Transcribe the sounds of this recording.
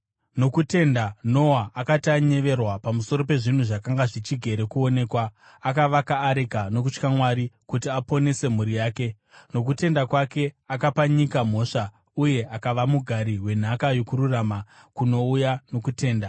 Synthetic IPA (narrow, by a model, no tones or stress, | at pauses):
no̞kute̞ndano̞waʔakataɲe̞ʋe̞rwapamuso̞ɾo̞pe̞ʐin̤uʐakaŋɡaʐit͡ʃiɡʱe̞ɾe̞kuo̞ne̞ːkwaː | kaʋakaːɾekano̞k̬ut͡ʃkamwaɾikutiapo̞ne̞se̞m̤uɾijaːke̞ | no̞k̬ute̞ndakwake̞akapaɲikam̤o̞ːʂa | uje̞ʔakaʋamuɡʱaɾiɦwe̞n̤akajo̞kuɾurama | kuno̞ujano̞kute̞ːnda